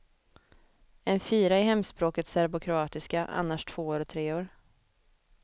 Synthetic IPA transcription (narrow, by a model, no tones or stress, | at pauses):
ɛnfiːɾaɪɦɛmːspɾoːkət̪sæɾbʊkʰɾʊɑːt̪ɪskaʔa̰nːaʂt̪ʰv̥oːoːɾɔt̪ʰɾeːoːɾ